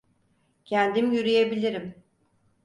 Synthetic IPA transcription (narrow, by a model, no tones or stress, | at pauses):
cʰænd̪imjyɾyjebilʲiɾim